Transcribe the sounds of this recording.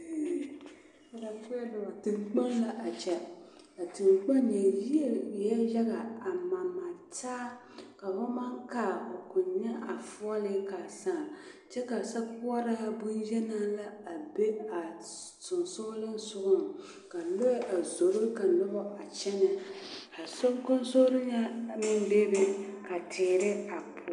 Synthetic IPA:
a˨da˨ke˦dʊ˨ba˨tɨ˨mk͡pa˦nla˨ʔa˨t͡ʃɛ˦ | ka˨tɨ˨mk͡pa˦nɲa˨ji˦ɛ˨jɛ˦jɛ˦ɣa˨a˨ma˨ma˨taː˦ | ka˨ho˦ma˦ŋkaː˦˨o˨kʊ˨ɲɲɛ˦ʔa˨fʊ˦ɔ˦lɪ˦ka˨sa˦ŋ˨t͡ʃɛ˦ka˨sa˦kʊ˦ɔ˦ɾa˦a˦bʊ˦njɛ˦naː˦la˦a˨be˦a˨ | sʊ˨nso˦lɨ˦n˦sʊ˦ʔʊ˦m˨ | ka˨lo˦ʔa˨zo˨ɾʊ˦ka˨lɔ˦bɔ˦ʔa˨t͡ʃɛ˦nɨ˨ | a˨so˦kʊ˦n˦so˦ɾɨ˦ɲɛ˦mɪ˦nbe˦bɪ˦ka˨tʰɪː˨ɾɪ˦a˨pʊ˨

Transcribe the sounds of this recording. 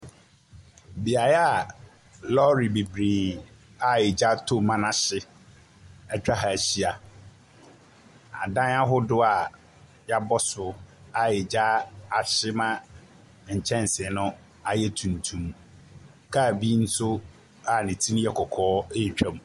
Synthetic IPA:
bi˨a˨ja˨ | lɔ˦ɾi˨bi˨bɾiː˨ | a˨ɪ˨d͡ʑa˦tʰo˦mã˦nã˦ɕɪ˦ | ɛ˦t͡ɕᶣa˦ɦa˨æ˨ɕi˦a˨ | a˨dã˦na˦ɦʊ˦dʊ˦a˨ | ja˦bɔ˦sʊ˨a˨ɪ˨d͡ʑa˦a˨ɕɪ˦mã˦ | ɲ̩˨t͡ɕʰɛ̃˦n˨sɪ˨nʊ̃˦ | a˨jɛ˦tʰũ˨ntʰũ˨˦m | kʰa˦˨bi˦n̩˦sʊ˦ | a˨nɪ̃˨tʰi˦ñ˦jɛ˦kʰɔ˨kʰɔː˨˦e˦˨t͡ɕᶣã˦˨m˨

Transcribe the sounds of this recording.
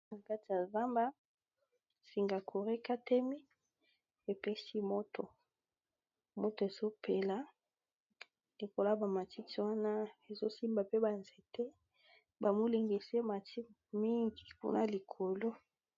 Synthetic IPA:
na˨ka˦ti˨ja˨za˦mba˦ | si˨ŋɡa˨kʰo˨ʁe˦ka˦te˦mi˦ | e˨pe˦ʃi˦mo˦to˨ | mo˦to˨e˨zo˦pʰe˨la˨ | li˨ko˨la˦ba˨ma˨ti˦ti˨wa˦na˦e˨zo˦si˦mba˨pe˦ba˨nze˨te˦ | ba˨mo˦li˨ŋɡe˨se˦ma˨tʰi˦ | mi˦ŋɡi˨kṵ˦na˦li˨kʰo˨lo˦

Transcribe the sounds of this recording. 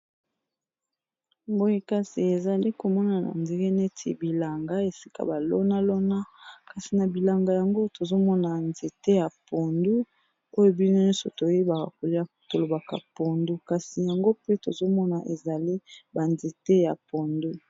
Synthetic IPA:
mbo˦je˦ka˦si˨e˨za˨li˦ko˨mɔ˦na˨na̰˨nde˨˦ŋɡe˦ne˦tʰḛ˨bi˨la˨ŋɡa˦e˨si̥˦ka̰˨ba˨lo˦na˦lo˦na˦ka˨si˨na˨bi˨la˨ŋɡa˨ja˨ŋɡo˦to˨zo˦mɔ˦na˨nze˨te˦ja˨po˨ndu˦ | o˦jo˦bi˦no˦nɔ̃˦so˨to˨je˦ba˨ka̰˨ko˨li˦˨to˨lo˨ba˨ka̰˨po˨ndu˦ka˨si˨ja˨ŋɡo˦pe˦to˨zo˦mɔ˦na˨ʔe˨za˨li˦ba˨nze˨te˦ja˨po˨ndu˦

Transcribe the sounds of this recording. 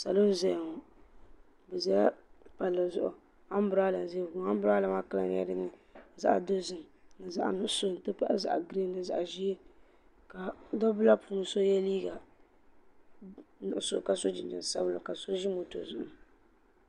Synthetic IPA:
sa˨lo˦n˦zɛ˦˨ŋo˨ | bɛ˨za˦ja˦pa˨lːɨ˨zʊ̰˦ʔʊ̰˨ | a˦m˦bʊ˨ɾaː˦la˨n˨zi˦˨ɡu˨˦a˦m˦bʊ˦ɾa˦la˨ma˦ka˦la̰˨n˦ɛ̰˦dɨ˦nɨ˨za̰˦ʔdo˦zɨ˨m˨nɨ˨za˦˨ʔnʊ˦ʔso˦n˨tɨ˦pa˦ʔa˦za̰˨ʔɡɾe˦nɨ˨za̰˨ʔʒi˦e˦ | ka˨dɔ˦bʊ˦la˦puː˦nɨ˨so˦jɛ˦liː˦ɡa˨ | nʊ˨ʊ˨so˦˨ka˨so˦d͡ʒɪ˨nd͡ʒɨ̰˨n˨sa̰˦blʊ˨ka˨so˦ʒi˦mo˨to̰˨zʊ˦ʔʊ˨

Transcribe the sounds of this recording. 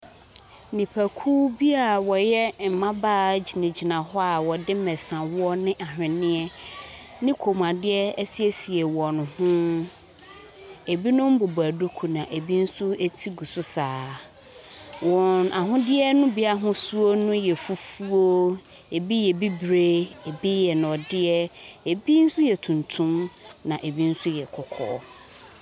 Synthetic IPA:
nĩ˨pʰæ˨kʰuː˦bi˦a˨wɔ˨jɛ˦m̩˨mã˦baː˦˨˦d͡ʑi˨nɪ̃˨d͡ʑi˨nã˨ɦɔ˦a˨wɔ˨dɪ˦mɛ̃˨sã˨wɔ˦nɪ̃˦ʔa˨ɦᶣɪ̃˨nɪ̃˦ɛ˦ | nɪ̃˦kʰo˨mã˨dɪ˦ɛ˦si˦ɛ˦si˨ɛ˨wɔ˨nʊ̃˨hʊ̃˦ | e˨bi˦nʊ̃˦m̩˦bo˨bæ˨du˦kʰu˨nã˨ʔe˨bi˦n̩˦sʊ˦e˦tʰi˦ɡu˨sʊ˦saː˨˦ | wɔ̃˨na˨ɦʊ̃˦dɪ˦ɛ˦nʊ̃˦bi˦a˦ɦʊ̃˦su˦o˦nʊ̃˦jɛ˨fu˦fu˦o˦ | e˨bi˦jɛ˨bi˦bɾe˦e˨bi˦jɛ˨ñ˨ɔ˨dɪ˦ɛ˦e˨bi˦n̩˦sʊ˦jɛ˨tʰũ˨ntʰũ˦mnã˨ʔe˨bi˦n̩˦sʊ˦jɛ˨kʰɔ˨kʰɔ̰˦

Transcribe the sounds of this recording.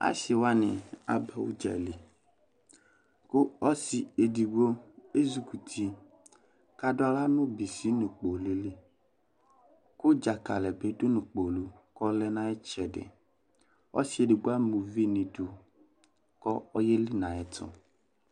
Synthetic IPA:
a̰˦ʃɪ˨wa˦nɪ̃˨a̰˦ba˨wṵ˦d͡ʒa̰˨li˨ | kʊ˦ɔ˦si˨e˨di˨wo˦e˦zu˨ku˨t̪ʰi˨ | ka˨dʊ˦a˨la˦nʊ̃˦bi˨si˦nũ˨k͡po˨lɪ˦lɪ˦ | kʊ˦d͡ʒa˨ka˨lɛ˨be˦dʊ˦nʊ̃˨k͡po˨lu˦kɔ˦lɛ˦nã˦ɛ˦t͡ʃɛ˨dɪ̰˨ | ɔ̰˦si˦e˨di˨ɡu˦a˦mũ˨vi˦nĩ˨du˨ | kɔ˦ɔ˦je˦lɪ˦nã˨ɛ˨tʰɔ̰˨

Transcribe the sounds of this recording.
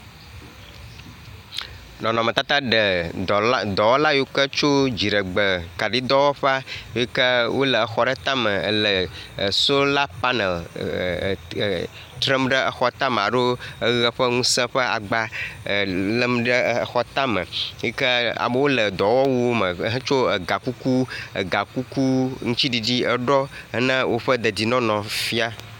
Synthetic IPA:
nɔ̃˨nɔ̃˨mə˨t̪a˦t̪a˦ɖə˨ | d̪ɔ˨wɔ˦la˦jo˦kə˦t͡ʃo˦d͡ʑi˨ɖə˨ɡ͡bə˨ka˨ɖi˦d̪ɔ˦wɔ˦ɸɛ˦a˦i˦kə˦wo˦lə˨ə˨xɔ˦ɖə˦t̪ã˦mə˨ə̰˨lə˨so˦la˦pa˦nə˨l | t̪ɾə˦mɖə˦ʔə˨xɔ˦t̪ã˦m˨a˨ɖo˦ə˦ɣə˨ɸə˦ŋũ˦sə̃˦ɸə˦a̰˨ɡ͡ba˦˨ | lə˦mɖə˦˨xɔ˦t̪ã˦mə̰̃˨˦i˦kə˦a̰˨mə˦wo˦lə˨d̪ɔ˨wɔ˦wu˦o˦mə̃˨˦ɦə̃˦t͡ʃo˦ə˨ɡa˨ku˦ku˦ə̰˨ɡa˨ku˦ku˦ŋũ˦t͡ʃi˦ɖi˨di˦ə˨ɖɔ˦ə˦nə̃˦wʔo˦ɸə˦d̪ə˨di˨nɔ̃˦nɔ̃˨fi˦a˦

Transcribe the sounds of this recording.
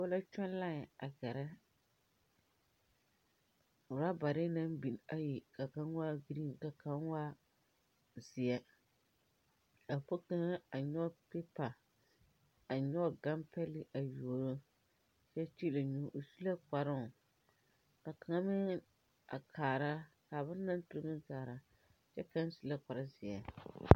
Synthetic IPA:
wɔ˦la˦t͡ʃɔ˦n˦la˦ŋ˨a˨ɡɛ˨ɾa˦ | ʊ˨ɾa˦ba˨ɾɪ˦na˦m˦bi˨n˨a˦ji˨ka˨ka˨˦n˦wa˦ɡɾi˦˨nka˨ka˦nwaː˦ | zɪ˨ɛ˦ | ka˨po˦ka˦ŋa˦a˨ɲɔ˦pe˦pa˨ | a˨ɲɔ˦ɡa˦mpɛ˦lɪ˦˨˦ʔa˨joː˨ɾo˦ | t͡ʃɛ˦t͡ʃi˦la˨ɲu˦ʔo˨su˦la˦ka˨ɾʊ˦˨ | ka˨ka˨ŋa˦mɪ˦ŋ | a̰˨kʰaː˨ɾa˦ | kaː˨ba˦n˦na˦n˦tʊ˨ɾɡɨ˦kaː˨ɾa˦ | t͡ʃɛ˦ka˦n˦su˦la˦ka˨ɾa˦zɪ˨ɛ˨

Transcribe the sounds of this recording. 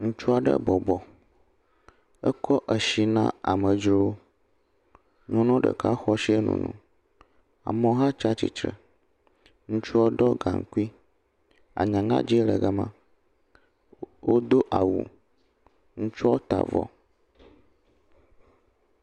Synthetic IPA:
ŋũ˦t͡ʃu˦a˨ɖə̰˦bɔ˨bɔ˨ | ə˦kʰɔ˦ʔə˨ʃi˨nã˦a˨mə˨d͡ʒɾo˦wo˦ | ɲɔ̃˦nɔ̃˦ɖə̰˨ka˦xɔ˦ʃi˦e˦nṵ̃˨nũ˦ | a̰˨mɔ̃˦ɦã˦t͡ʃa˦t͡ɕḭ˨t͡ʃɾə˨ | ŋũ˦t͡ʃu˦o˦ɖɔ˦ɡa˨ŋ˨ku˦i˦ | a̰˨ɲã˨ŋã̰˦d͡ʑi˦lə˨ɡa˦mã̰˦ | wo˦d̪o˦ʔa˨wṵ˨ | ŋũ˦t͡ʃu˦ɔ˦o˦t̪a̰˨vɔ̰˨

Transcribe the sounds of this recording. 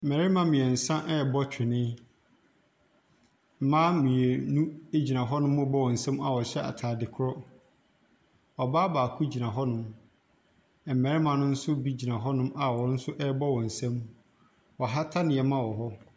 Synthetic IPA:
m̩˨mɛ˨ɾɪ˦mã˦mɪ̃˨ɛ˨n̩˨sã˦ʔɛ˦˨bɔ˦t͡ɕᶣɪ˨nɪ̃˦˨ | mã˦mĩ˨e˨nũ˦e˦d͡ʑi˨nã˨ɦɔ˦nʊ̃˦mʊ̃˦bɔ˦wɔ̃˨n̩˨sɛ̃˦ma˨wɔ˨ɕɛ˦a̰˨tʰaː˨dɪ˨kʰʊ˦ɾɔ˦ | ɔ˨baː˦baː˨kʰu˦d͡ʑi˨ã˨ɦɔ˦nʊ̃˦m | ɛ˨m̩˨mɛ˨ɾɪ˦mã˨nʊ̃˦n̩˦sʊ˦bi˦d͡ʑi˨nã˨ɦɔ˦nʊ̃˦ma˨wɔ˨ɾn̩˦sʊ˦ʔɛ˦bɔ˦wɔ̃˨n̩˨sɛ̃˦m | wɔ˨ɦa˦tʰa˦nɪ̃˨ɛ˨mã˦wɔ˨ɦɔ˦

